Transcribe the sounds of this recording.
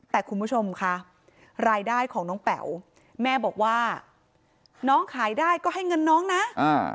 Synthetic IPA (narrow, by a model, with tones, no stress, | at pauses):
t̪ɛː˨˩kʰu˧npʰu˥˩t͡ɕʰo˧mkʰa˦˥ | ɾaː˧jdaː˥˩jkʰɔː˩˦ŋnɔː˦˥ŋpɛ̰˨˩˦w | mɛː˥˩bɔː˨˩k̚waː˥˩ | nɔː˦˥ŋkʰaː˩˦jdaː˥˩jkɔː˥˩ɦa˥˩jŋɤ˧nːɔː˦˥ŋna˦˥aː˧˩